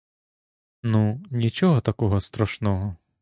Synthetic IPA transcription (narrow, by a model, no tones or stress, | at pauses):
nunʲit͡ʃɔɦɔt̪ɐkɔɦɔst̪ɾɐʃnɔɦɔ